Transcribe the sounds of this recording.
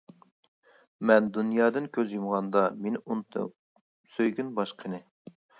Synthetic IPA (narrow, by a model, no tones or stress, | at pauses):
mɛnd̪unjɑːd̪ɨnkʲʰøzjumʁɑnd̪ɑmenɪʔunt̪ʰɨ̰ | søjɡʲynbɑʃqʰənɨ